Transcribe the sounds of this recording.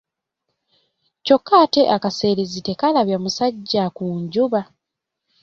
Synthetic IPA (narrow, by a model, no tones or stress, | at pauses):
co̞kːaːte̞ʔakase̞ːɾezite̞kalaβjamusaɟːakuːɲɟuβa